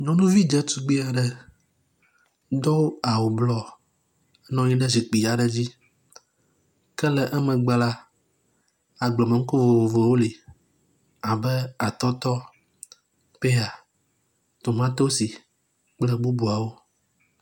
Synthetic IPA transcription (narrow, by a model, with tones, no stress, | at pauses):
ɲɔ̃˦nũ˦vi˦d͡ʒɛ˦t̪u˦ɡ͡bi˦a˨ɖɛ˨ | d̪ɔ˦a˨wo˨blɔ˦ | nɔ̃˦ɲi˦ɖɛ˦zi˨k͡pi˨a˨ɖɛ˦d͡ʑi˦ | kɛ˦lɛ˨ʔɛ˦mɛ̃˨ɡ͡ba˨la˦ | a˨ɡ͡blɔ˨mə̃˨ŋ̩˦ko˦vo˨vo˨vo˨˦wo˦li˨ | a˨bɛ˦a˨t̪ɔ˦t̪ɔ˦ | pe˦a˨ | t̪o˨mã˦t̪o˦si˨ | k͡plɛ˦ɡ͡bu˦bu˨a˨wo˦